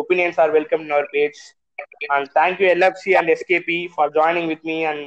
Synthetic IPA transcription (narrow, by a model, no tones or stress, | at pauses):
opiːnjə̃nsaːɾʋɛlkə̃mʈʊnaʊəɾpeːd͡ʒ | æ̃ːɳɖt̪ʰæ̃ːŋkjuɛlɐbsiæ̃ɳɖeskeːpifɔːɾd͡ʒɔːɪnɪ̃ŋɡʋɪd̪miæ̃ɳɖ